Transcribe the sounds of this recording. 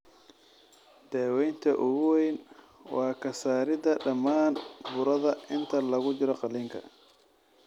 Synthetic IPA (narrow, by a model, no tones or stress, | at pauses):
d̪̥ɛːwɛjnt̪ʰɐʔʊɣʊwɛjn | wɑːkʰɐsaːɾɪdɐɖɐmaːnbʊɾɐðɐʔɪnt̪ʰɐlɐɣʊt͡ʃɪɾɔqɑlɪŋkʰɐ̰